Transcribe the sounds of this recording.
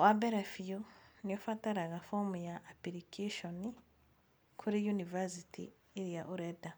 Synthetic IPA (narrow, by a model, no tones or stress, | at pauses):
wabeɾafijonijofataɾaɣafomujaʔːpiɾikʰiʃoni | kʰuɾijunivasitʰḭː | ɾijaʔuɾeda